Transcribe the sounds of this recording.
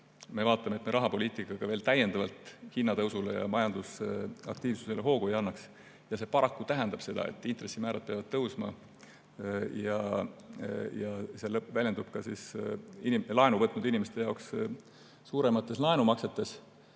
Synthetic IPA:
me̞vɑːt̪ːˑɑmet̪meɾʔɑɦɑpo̞lʲiːt̪ˑikːˑɑɡ̥ɑve̞ːlt̪æje̞nd̪ɑvɑlt̪ˑhinːɑt̪ɤwsulḛjɑ̰mɑjɑnd̪̥usɑ̰k̚t̪iːvsu̥se̞leɦo̞ːkuejɑnːɑks | jɑse̞ːpɑɾɑkːut̪æɦɛnd̪̥ɑb̥se̞d̪ɑ̰ḛt̪ːˑint̪ɾe̞sːimæːɾɑd̪̥̚peɑvɑd̪̥̚t̪ɤwsmɑ̰ | jɑ | jɑse̞lɤpvælʲjend̪̥ub̥kɑsḭsinilɑenuvɤt̪ːˑnud̪inime̞st̪e̞jɑoks | suːɾe̞mɑt̪ːˑe̞slɑenumɑkse̞t̪ːˑe̞s

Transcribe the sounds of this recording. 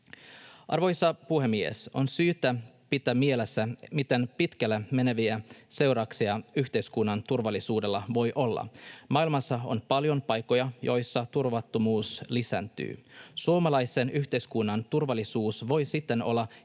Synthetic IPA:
ʔɑ̰rʋo̞jsːɑpuhe̞mːiḛso̞nsyːt̪æpit̪æmielesːæmit̪enpit̪kælːæmeneʋiæse̞wɾɑksiɑyçt̪e̞jskunːɑnt̪urʋɑlːisuːde̞lːɑʋo̞jʔo̞lːɑ̰mɑilmɑsːɑo̞̰npɑljo̞npɑjkːˑo̞jɑjo̞jsːɑt̪urʋɑt̪ːomuːslisæ̰nt̪y̰ːsuomɑlɑjse̞nyçt̪e̞jskunːɑnt̪urʋɑlːˑisuːsʋo̞jsit̪ːe̞no̞̰lːɑ

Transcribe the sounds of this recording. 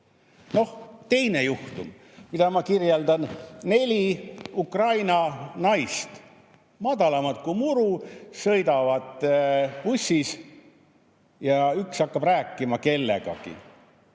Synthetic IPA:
no̞ht̪e̞jne̞juht̪um | mid̪ɑmɑkirjeld̪ɑnːe̞lʲiukrɑjnɑnɑjst̪ | mɑd̪ɑlɑmɑt̪kumuɾusɤ̞jd̪ɑvɑd̪̥pusʲːis | jɑyksɑkːɑbræːkːˑimɑke̞lːe̞̰ɡ̥ɑ̰kḭ

